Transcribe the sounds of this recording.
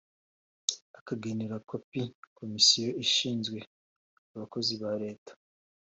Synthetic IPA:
akaɡeneɾakopikʰo̞misijoiʃiːnzɡwe̞ | aβako̞ziβaɾe̞ːtḁ

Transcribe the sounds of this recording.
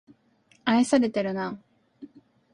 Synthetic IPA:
aesaɾe̞t̪eɾɯ̟na

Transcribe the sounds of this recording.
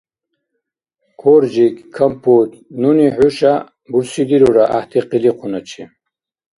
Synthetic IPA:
kʰoɾd͡ʒikkʰːampʰut̪nuniħuʃa | buɾsid̪iɾuɾaʔa̰ht̪ʰiqiliqʰunat͡ʃʰi

